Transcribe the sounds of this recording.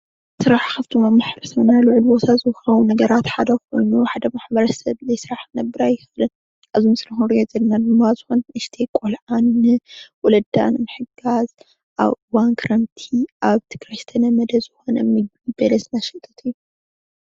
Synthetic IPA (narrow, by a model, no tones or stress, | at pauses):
sɨɾaħxɐft̪ʰumamaħɾɨsɐnalɨʕɨlbot̪ʰazɨxɐwunɐɡɐɾat̪ħad̪ɐkʰo̞̰jnuħad̪ɐmaħbɐɾɐsɐβɨzɐjsɨɾaħnɐbːɨɾajːɪxɨlɐn | ʔazimɨsɨɾɐxuɾijozɐlnad̪ɨmːazɨxonʔɨʃt̪ʰekʷʼolʕannɨwɔlɐd̪a̰nɨnɨħɨɡaz | ʔa̰βʔɨwankʰɨɾɐmt̪ʰiʔaβt̪ʰi̥kʰɾɐʃt̪ʰɐnɐmɐd̪ɐzɨxo̞nɐ̰mɨ | ɨbɐlɐsnaʃɐt̪ʰːɐt̪ʰɨjːu